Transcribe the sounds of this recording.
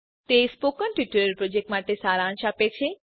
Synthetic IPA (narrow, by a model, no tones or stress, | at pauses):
t̪espokənʈiʈəɾəɾpɾod͡ʒek̚ʈmaʈesaɾãnt͡ʃapet͡ʃʰe